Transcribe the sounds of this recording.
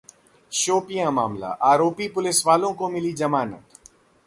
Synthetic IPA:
ʃoːpijãma̰ːmla̰ʔaːɾoːpipʊlɪsʋaːlõkomɪlid͡ʒɐmaːnə̰t̪

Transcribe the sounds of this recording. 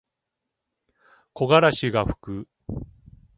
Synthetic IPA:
ko̞ɡaɾaɕiɡaɸɯ̟̥kɯ̟

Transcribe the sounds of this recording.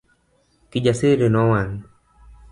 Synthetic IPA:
kiʄasiɾinɔwan

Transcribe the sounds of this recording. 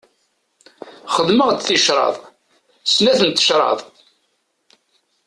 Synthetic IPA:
χəðməʁt͡sθiʃɾˤɑ̰ðˤ | snæθənt̪ːə̥ʃɾˤɑ̰ðˤ

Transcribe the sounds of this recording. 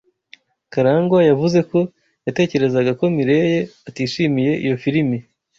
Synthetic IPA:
kaɾaːŋɡwajavuze̞ko̞ | jate̞ːce̞ɾe̞zaɡako̞miɾe̞je̞atiːʃiːmije̞ʔḭjo̞fiɾimi

